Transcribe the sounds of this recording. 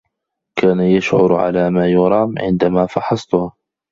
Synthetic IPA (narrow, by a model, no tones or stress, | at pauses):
kaːnajaʃʕʊɾʕa̰laːmaːjʊɾˤɑːmʕɪ̰nd̪amaːfɑħɑsˤt̪ʊh